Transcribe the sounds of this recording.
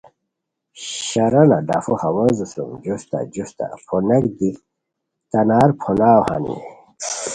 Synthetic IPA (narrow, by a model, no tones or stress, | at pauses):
ɕaɾɐnaɖafuhawɔzusumd͡ʑust̪a̰d͡ʑust̪a̰pʰɔnekd̪i | t̪anaːɾpʰɔnaːwha̰nḭ